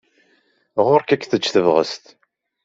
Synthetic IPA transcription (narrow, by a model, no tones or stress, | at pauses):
ʁʊɾkækːθət͡ʃːθəvʁə̰st̪